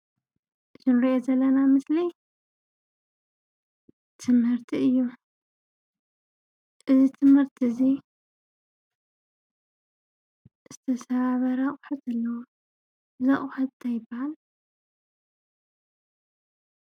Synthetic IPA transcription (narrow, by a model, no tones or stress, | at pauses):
zɨnɾiʔezɐlːɐnamɨsli | t̪ʰɨmhɨɾt̪ʰiɨjːu | ʔɨzit̪ʰɨmhɨɾt̪ʰɨzi | ʔɨz̥ɨt̪ʰɐsaβaβɐɾaχʼħɨt̪ɐlːɐwo | zɐχʼħɨt̪t̪ʰajɪbːahal